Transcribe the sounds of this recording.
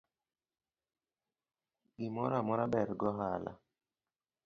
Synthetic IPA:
ɡɪmɔɾamɔɾabɛɾɡɔɦala̰

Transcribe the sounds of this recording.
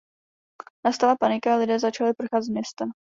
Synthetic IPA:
nast̪alapanɪkaalɪdɛːzat͡ʃalɪpr̩xazmɲɛst̪ɛm

